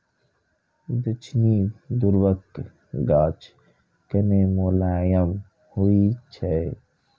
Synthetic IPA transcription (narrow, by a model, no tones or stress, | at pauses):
d̪ət͡ʃʰnid̪uɾwək | ɡaːt͡ʃ | kənemolaːjəm | huit͡ʃʰe